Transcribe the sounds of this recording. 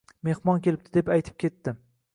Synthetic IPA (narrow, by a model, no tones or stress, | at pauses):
me̞hmɒnkʲʰe̞lɪp̚t̪ʰɪd̪epajt̪ʰɪ̥p̚kʲʰe̞t̪ːɪ